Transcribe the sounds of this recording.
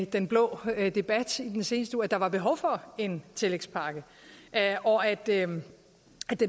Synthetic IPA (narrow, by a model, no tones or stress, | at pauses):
d̥enb̥lɔ̰ːd̥e̝b̥æd̥id̥ense̝ːnəsd̥əuːɐæd̥ɑ̈ʋɑ̈b̥e̝ɦɒ̽ʊfɒ̽e̝nt͡sʰe̝leɡ̥spʰɑ̈ːɡ̥ə | ʔʔɒæd̥ø | æ̥e